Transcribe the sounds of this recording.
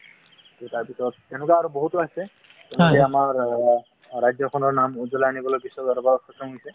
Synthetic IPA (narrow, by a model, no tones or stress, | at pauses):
tutaɹpisɔtːɛnʊkaaɹuboɦutaɦisɛ | tɛnukɛamaɹː | ajzɔkʰɔnɔɹnamuzɔlaanibɔlobisɔbaɾɔbaɹɔtxɔsɔnisɛ